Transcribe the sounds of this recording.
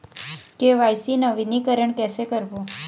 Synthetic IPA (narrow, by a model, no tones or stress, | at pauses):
keʋajsinəʋinikəɾəɳkɛsekəɾbo